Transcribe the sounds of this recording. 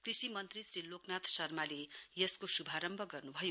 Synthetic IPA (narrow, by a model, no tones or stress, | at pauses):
krisimʌnt̪risriloknat̪ʰsʌrmalejʌskosubʱaɾʌmbʱʌɡʌrnubʱʌjo